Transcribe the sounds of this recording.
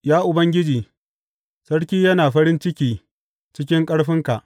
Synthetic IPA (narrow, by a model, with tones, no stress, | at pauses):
jaː˦ʔʊ˨bɐ˦ŋɡʲɪ˦d͡ʒiː˨ | sɐ˦ɽkʲiː˦jɐ˦naː˨ɸɐ˦ɾɪ˦nt͡ʃɪ˦kʲiː˦ | t͡ʃɪ˦kʲɪ˦ŋkʼɐ˦ɽɸɪ˦ŋka˨ʔ